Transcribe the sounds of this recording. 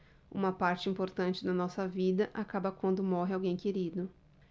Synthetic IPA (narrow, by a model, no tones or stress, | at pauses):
ṵ̃mɐpaɾt͡ʃɪĩmpoɾt̪ɐ̃nt͡ʃɪd̪ɐnɔsɐvid̪ɐʔakabɐkwɐ̃nd̪ʊmɔɦɪawɡẽj̃keɾid̪ʊ